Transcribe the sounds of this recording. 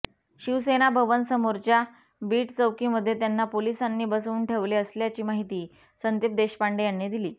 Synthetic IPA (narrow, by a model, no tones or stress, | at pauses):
ɕiʋsenabʱəʋənsəmoɾt͡ɕja | biːʈt͡səʋkiːməd̪ʱːjet̪janːapolisanːiːbəsuːnʈʰeʋleəsljat͡ɕiːmaɦit̪iː | sənt̪ep̚d̪eɕpaɳɖejanːid̪iliː